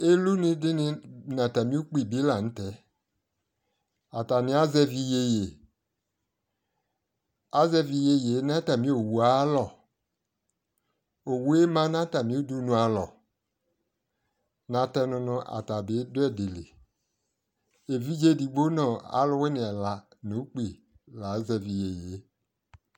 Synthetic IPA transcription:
e˦lu˦nɪ˦dɪ˦nɪ˨˦nã˨ta˨mĩ˦u˦k͡pi˦˨bi˨˦la˨n̩˦tɛ˨˦ | a˨ta˨nɪ̃˨˦a˦zɛ˦vi˧je˦je˨ | a˦zɛ˦vi˨je˨je˨˦n˦a˦ta˨mĩ˦o˨wu˨a˨˦lɔ˨ | o˨we˦mã˦n˦a˦ta˨mĩ˦o˦du˦nũ˨a˨lɔ˨ | nã˨tɛ˦nʊ̃˨nʊ̃˦ʔa̰˨ta˨be˨˦dʊ˦ɛ˦de˨le˨ | e˨vi˦d͡ʒe˦di˨ɡ͡bo˦nɔ̃˨a̰˨˦lʊ˦we˦nɪ̃˨ɛ˨la˨nu˨˦k͡pi˨ | la˨˦zɛ˨vi˨je˨je˨˦

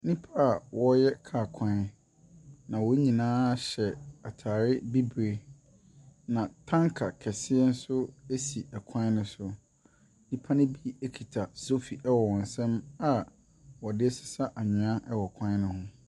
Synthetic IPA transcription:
nĩ˦pʰa˦a˨wʔɔ˦jɛ˦kʰaː˨kʰã˦ | nã˨wɔ˦ɲĩ˨nãː˦ɕɛ˨a˨tʰaː˨ɾɪ˦bi˦bɾe˨ | nã˨tʰã˦ŋkʰa˨kʰɛ˨sɪ˦ɛ˦n̩˦sʊ˦e˦si˨ʔɛ˨kʰã˦nʊ̃˦sʊ˦ | nĩ˦pʰa˦nʊ̃˦bi˦e˦kʰi˨tʰa˨so˦fi˨ʔɛ˦wɔ˨wɔ̃˨n̩˨sɛ̃˦ma˨ | wɔ˨dɪ˦ɛ˦sɪ̥˨sa˦ʔa˨ɲɪ̃˨ã˦ʔɛ˦wɔ˨kʰã˦nʊ̃˦hʊ̃˦

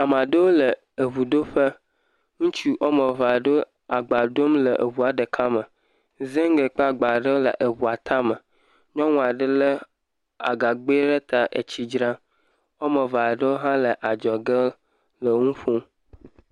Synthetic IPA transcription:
a˨mã˨ɖə˦wo˦lə˨ | e˨βu˨ɖo˦ɸə˦ | ŋũ˦t͡ʃi˦ʔo˦mə˨va˨ɖo˦ | a˨ɡ͡ba˨ɖo˦mlə˨ʔe˨βu˨a˨ɖə˨kʰa˦mə˨ | ze˦ŋ˦ɡe˨k͡pa˦˨ɡ͡ba˨ɖə˦wo˦lə̰˨ʔe˨wu˨a˨t̪ʰa˦mə˨ | ɲɔ̃˦ŋũ˦a˨ɖə˦lə˦ | a̰˨ɡa˨ɡ͡be˦ɖə˦t̪a˦ʔḛ˨t͡ɕi˦d͡ʒɾã˦ | o˦mə˨va˨ɖə˦wo˦ɦã˦lə˨ʔa˨d͡ʒɔ˨ɡə˦ | lə˨ŋũ˦fo˦m

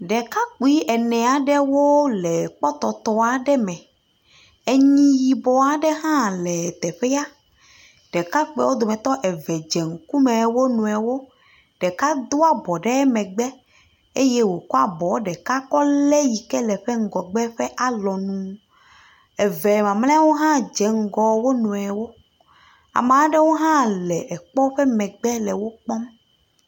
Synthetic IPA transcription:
ɖɛ˨ka˦k͡pi˦ʔɛ˨nɛ̃˨a˨ɖɛ˦wo˦lɛ˨k͡pɔ˦t̪ɔ˨t̪ɔ˨a˨ɖɛ˦mɛ̃˨ | e˨ɲĩ˦ji˨bɔ˨a˨ɖɛ˦ɦã˦lɛ˨t̪ɛ˨ɸɛ˦a˦ | ɖ̥ɛ˨ka˦k͡pɛ̰˦wo˦d̪o˨mɛ̃˨t̪ɔ˦ʔɛ˨vɛ˨d͡ʒɛ˨ŋ̩˦ku˦mɛ̃˨wo˦nũ˨ɛ˨wo˦ | ɖ̥ɛ˨ka˦d̪o˦a˨bɔ˨ɖɛ˦mɛ̃˨ɡ͡bɛ˦ | e˦jɛ˦wo˨kɔ˦a˨bɔ˨˦ɖɛ˨ka˦kɔ˦lɛ˦ji˨kɛ˦lɛ˨ɸe˦ŋ̩˨ɡɔ˨ɡ͡bɛ˦ɸɛ˦ʔa˨lɔ˨nũ˨ | ɛ˨vɛ˨mã˨mlẽ˦wo˦ɦã˦d͡ʒɛ˨ŋ̩˦ɡɔ˨wo˦nũ˨ɛ˨wo˦ | a̰˨mẽ˨ã˦ɖɛ˦wo˦ɦã˦lɛ˨ɛ˨k͡pɔ˦ɸɛ˦mɛ̃˨ɡ͡bɛ˦lɛ˨wo˦k͡pɔ˦m

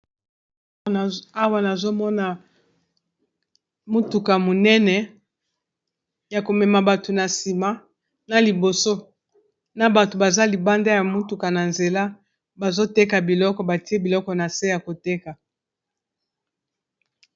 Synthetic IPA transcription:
a˦wa˦na˨zo˦mɔ˦na˨ | mu˦tu˨ka˨mo˨nɛ˦nɛ˨ | ja˨ko˨mɛ˨ma˨ba˨to˨na˨si˨ma˦ | na˨li˨bo˨so˦ | na˨ba˨to˨ba˨za˦li˨ba˦nda˦ja˨mu˦tu˨ka˨na˨nze˨la˦ | ba˨zo˦te˦ka˨bi˨lɔ˦kɔ˨ba˨ti˦e˦bi˨lɔ˦kɔ˨na˨se˦ja˨ko˨te˦ka˨

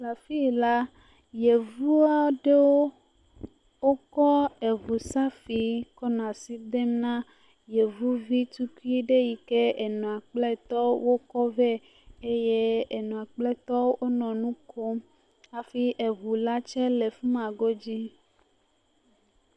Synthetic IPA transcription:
la˨fi˦˨la˦ | je˨vu˦a˦ɖe˦wo˦ | wo˦kɔ˦e˨vu˨sa˦fi˨kɔ˦nã˨si˦d̪e˦mnã˦ | je˨vu˦vi˦t̪u˦ku˦i˦ɖe˦ji˨ke˦e˨nɔ̃˨a˨k͡plɛ˦t̪ɔ˦wo˦kɔ˦vɛ˦ | e˦je˦e˨nɔ̃˨a˨k͡plɛ˦t̪ɔ˦wʔo˦nɔ̃˨nũ˦kʰo˦m | a˨fi˦ʔe˨vu˨la˦t͡ʃɛ˦le˨fu˦mã˨ɡo˦d͡ʑi˦

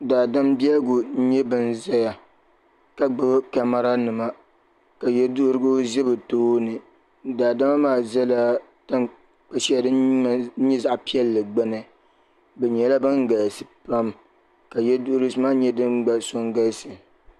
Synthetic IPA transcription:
daː˨da˦mbi˦ɛ˦ɡʊ˨˦ɲɛ˦bɨ˨n˦za˦ja˨ | ka˦ɡ͡bɨ˦ka˨ma˦ɾa˦nɨ˨ma˦ | ka˨jɛ˦dʊ˦ʔɾɨ˦ɡo˦zɛ˦bɨ˨toː˦nɨ˨ | daː˨da˦ma˦maː˦˨zɛ˦la˦ | ta˦n | k͡pa˦ʃi˦a˦˨dɨ˦˨˦ɲɛ˦za˦ʔpi˦ɛ˦lːɨ˨ɡ͡ba˦nɨ˨ | bɛ˨ɲɛ˨la˦bɨ˦ŋɡa˨sɨ˨pa˦m | ka˨jɛ˦dʊ˦ʔɾɨ˦sɨ˦maː˦ɲɛ˦dɨ˦nɡ͡ba˨so˦ŋɡa˦sɨ˨

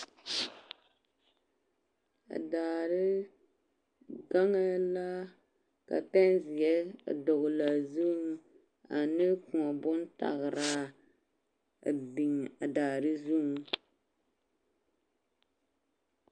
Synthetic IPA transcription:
a̰˨daː˨ɾɨ˦ | ɡa˦ŋa˦la˦ | ka̰˨pɛ˦nzi˨ɛ˦˨dʊ˨ɣʊ˨la˨zu˦ŋ˦ | a˨nɨ˦kũ˨ɔ˨bʊ˦n˦ta̰˨ɣɨ˨ɾa˦ | a˨bi˨ŋa˨daː˨ɾɨ˦zu˦˨ŋ˦

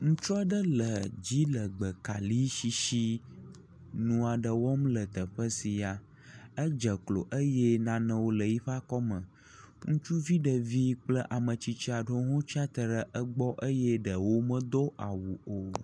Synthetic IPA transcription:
ŋũ˦t͡ʃɔ˦ɖə˦lə˨d͡ʑi˦lə˨ɡ͡bə˨ka̰˨li˦ʃi˨ʃi˦ | nũ˦a˨ɖə˨wɔ˦mlə˨t̪ə˨ɸə˦si˨a˨ | ə˦d͡ʒə˨klo˨ʔə˦je˦nã˦nə̃˦wo˦lə˨ji˦ɸa˦kɔ˦mə̃˨ | ŋũ˦t͡ʃu˦vi˦ɖə˨vi˦k͡plə˦ʔa˨mə̃˨t͡ɕi˦t͡ʃi˦a˨ɖo˦ɦɔ̃˦t͡ʃa˦t̪ə˨ɾə˨ʔə˦ɡ͡bɔ˦ʔə˦jɛ˦ɖə˨wo˦mə̃˦d̪o˦ʔa˨wu˨o˨

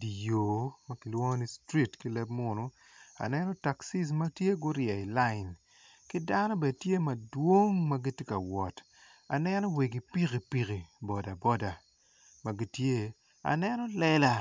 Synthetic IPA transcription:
di˨joː˨mɐ˦ki˨lwɔ˦ni˦stɾi˦tki˦lɛ˦bmʊ˨nʊ˨ | a̰˨nɛ˦nɔ˦ta˨ksi˦s̬mɐ˦tje˦ɡʊ˦ɾjɛ˨i˨la˦ɪ˨n | ki˦da˦no˦bɛ˨tje˦mɐ˨dwo˦ŋmɐ˦ɡi˦tje˦ka˨wɔ˨t | a̰˨nɛ˦nɔ˦we˨ɡi˨pi˦ɣi˨pi˨ɣi˨bɔ˨da˨bɔ˦da˨ | mɐ˨ɡi˦tje˦ | a̰˨nɛ˦nɔ˦lɛ˦la˨

